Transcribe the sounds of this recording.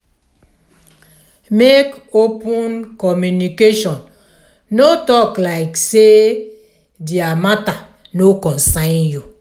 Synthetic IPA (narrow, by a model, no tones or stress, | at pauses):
mekopunkɔmjunikeʃɔn | notɔklaɪkse | diamata | nokɔ̃nsãnju